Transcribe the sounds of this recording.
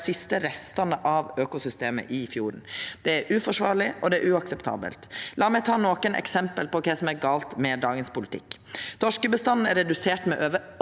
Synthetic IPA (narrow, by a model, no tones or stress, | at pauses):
sɪst̪əɾɛst̪ɑnəʔɑʋøːkʊsʏst̪eːmə̰ʔɪfjuːɾɳ̩d̪̥ɛæɾʉːfɔʂʋɑ̰ːɾɭɪɔd̪ɛæɾʉɑksɛpt̪ʰɑ̰ːbə̰lt̪lɑːɾmɛɪt̪ʰɑːnoːkənʔɛ̰ksɛmpəlpɔkʰɛsɔmæɾɡɑːlt̪mɛd̪ɑːɡənspʊlɪt̪ʰɪ̰kːt̪ʰɔʂkəbəst̪ɑnn̩æɾɛd̪ʉseːʈmɛ̰ʔøːʋə